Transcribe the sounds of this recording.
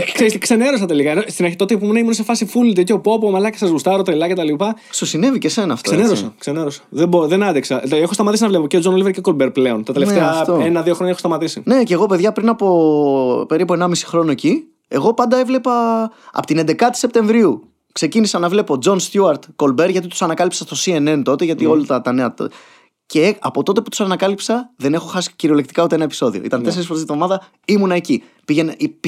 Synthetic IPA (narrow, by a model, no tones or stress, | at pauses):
kseɾist̪ikse̞neɾos̬ɐt̪e̞likɐenost̪inɐɾçit̪ot̪eipomenɐimunes̬efɐsifult̪iot̪eopo̞pomɐlɐcesɐzɣust̪ɐɾot̪ɾelɐce̞t̪ɐlipɐ | susine̞vice̞se̞nɐːft̪soeneɾosɐkseneɾosɐ̥ðeboðenɐd̪eksɐexo̞st̪ɐmɐt̪isinɐvle̞poceod͡zonoliveɾcekolbeɾpleont̪ɐt̪elefeɐt̪oenɐðioxɾoɲɐexst̪ɐmɐt̪isḭne̞ce̞ɣo̞pe̞ðʝɐpɾinɐpo̞ | pe̞ɾipue̞nɐmisi̥xɾo̞noeci | e̞ɣo̞pɐnd̪ɐe̞vle̞pɐɐ̰pot̪inend̪e̞kɐt̪i̥se̞p̚t̪e̞ɱvɾiu | kse̞cinisɐnɐvle̞po̞d͡zo̞nst̪juɐɾt̪ko̞lbe̞ɾʝɐt̪it̪usɐnɐkɐlipsɐst̪o̞sie̞nent̪o̞t̪e̞ʝɐt̪io̞lɐt̪ɐt̪ɐneɐt̪ | ceɐpo̞t̪o̞t̪e̞pu̥t̪u̥sɐnɐkɐlipsɐðe̞ne̞xo̞xɐsi̥ciɾio̞lekt̪i̥kɐut̪eenɐe̞piso̞ðio̰ḭt̪ɐnt̪ese̞ɾisfoɾezɐt̪ðo̞mɐðɐ | imunɐe̞ci | piʝen